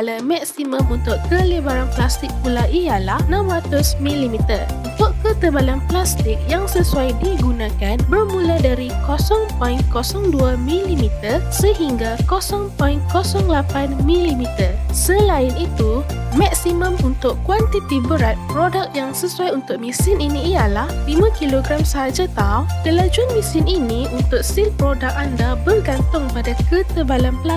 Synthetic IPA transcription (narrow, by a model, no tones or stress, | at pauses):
alamaksimə̃munt̪ʊʔkːələbaɾanplast̪ɪk̚pulaʔijalahnãmwat̪ʊsmĩlimit̪ər | unt̪ʊʔkət̪əbalanplast̪ɪk̚jaŋsəsuajdiɡunãkanbərmũladaɾikosɔŋpɔjnkosɔŋduamĩlimit̪ərsəɦiŋɡakosɔŋpɔinkosɔŋlapanmĩlimit̪ərsəlaɪnit̪umak̚simə̃munt̪ʊʔwant̪it̪ibəɾat̪̚pɾodak̚jaŋsəsuajunt̪ʊk̚mĩsɪninĩːjalahlimãkiloɡɾamsəɦad͡ʒat̪aukəlad͡ʒuanmĩsɪniniunt̪ʊk̚silpɾodak̚andabərɡant̪ʊŋpadakət̪əbalampəla